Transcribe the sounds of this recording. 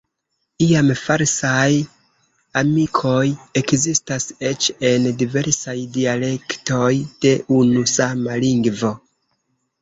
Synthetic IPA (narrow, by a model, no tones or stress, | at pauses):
iamfaɾsaj | amikʰo̞je̞kzistase̞t͡ʃe̞ndive̞ɾsajdiale̞kto̞jd̥e̞ʔunusamaliŋɡvo̞